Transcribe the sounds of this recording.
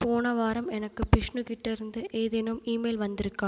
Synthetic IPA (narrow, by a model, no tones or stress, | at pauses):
poːnɐʋaːɾɐmɛnɐkːɯpɪʂnɯkɪʈːɐɾɯnd̪ɯʔeːðɛnɯmiːmeɪlʋɐnd̪ɪɾɯkːaː